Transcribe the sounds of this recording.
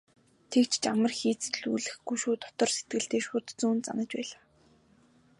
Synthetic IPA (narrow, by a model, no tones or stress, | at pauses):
t̪ʰekt͡ɕʰt͡ɕamə̆rxiːt͡st̪ɵ̆ɮṵːɮɘ̆xɡujʃuːt̪ʰɔ̥t̪ɞ̆rse̥t̪̚ɡɘ̆ɬt̪eːʃʊt̪t͡suːnt̪t͡sa̰nə̆t͡ɕpæ̰ːɮaː